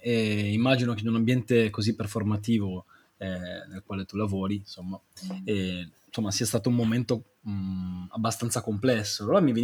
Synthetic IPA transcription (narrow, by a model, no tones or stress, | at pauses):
ɛimːad͡ʒinok̟eɛnunambjɛnt̪ekozipːerformat̪̬iːvo | ɛnelkwaːlet̪ulavoːɾinsomːa | ɛnsomːasiːast̪aːt̪oumːoment̪o | abːast̪ant̪sakomplɛsːoaloɾamive